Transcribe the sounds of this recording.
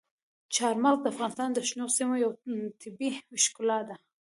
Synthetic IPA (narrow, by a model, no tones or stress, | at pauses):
t͡ʃɑɾmɑlk̚d̪əafɣɑnɪst̪ɑnd̪əʃnosimojawt̪ʰɪbiwɪʃkʊlɑt̪̚d̪a